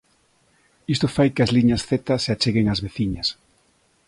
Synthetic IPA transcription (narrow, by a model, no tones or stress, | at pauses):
ist̪ofajkɪazliɲɐsθet̪ɐseat͡ʃeɣeŋazβeθiɲɐs